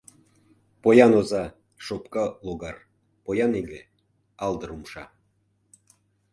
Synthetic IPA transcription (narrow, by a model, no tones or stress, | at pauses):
pojɑnozɑ | ʃopkɑloɡɑr | pojɑneɡĕ | ɑld̪ɤ̆ɾumʃɑ̰